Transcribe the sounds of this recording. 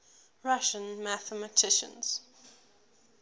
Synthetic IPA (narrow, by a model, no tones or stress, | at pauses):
ɹaʃə̃nmæθəmətʰɪʃə̰̃nz̥